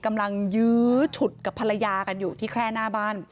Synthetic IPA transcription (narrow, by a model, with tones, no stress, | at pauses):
ka˧mla˧ŋjɯː˦˥t͡ɕʰu˨˩t̪̚ka˨˩pʰa˧la˧jaː˧ka˧njuː˨˩t̪ʰiː˥˩kʰɾɛː˥˩naː˥˩baː˥˩n